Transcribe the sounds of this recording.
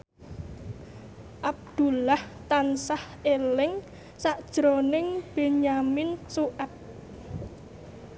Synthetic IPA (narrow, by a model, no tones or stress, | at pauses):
ʔab̚d̪̥ṳlaht̪ansah | elɪŋ | saʔd̥ʒ̥ɾonɪŋb̥eɲamɪnsuʔɛp̚